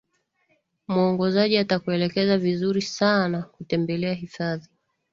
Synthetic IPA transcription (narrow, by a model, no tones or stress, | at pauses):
muɔŋɡɔzaʄiatakuɛlɛkɛzavizuɾisanakutɛmbɛlɛaɦifaði